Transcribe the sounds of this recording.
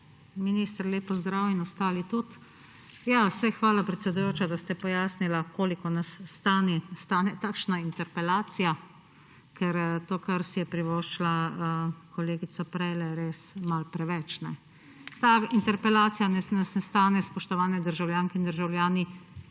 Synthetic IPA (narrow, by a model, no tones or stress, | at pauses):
minist̪əɾleːpɔzd̪ɾaːwinɔst̪aːlit̪ut̪ | jasɛxʋaːlapɾɛt̪sɛd̪ujoːt͡ʃad̪ast̪ɛpɔjaːsnilakʰoːlikɔnasːt̪aːnist̪aːnɛt̪akʃnaint̪ɛɾpɛlaːt̪sija | kɛɾt̪oːkaɾsijɛpɾiʋoʃt͡ʃla | kɔleːɡit̪sapɾɛjlɛɾeːsmalpɾɛʋɛt͡ʃnɛ | t̪aint̪ɛɾpɛlaːt̪sijanɛnasnɛst̪aːnɛspɔʃt̪ɔʋaːnɛd̪əɾʒawljaːŋkɛind̪əɾʒawlʲjaːni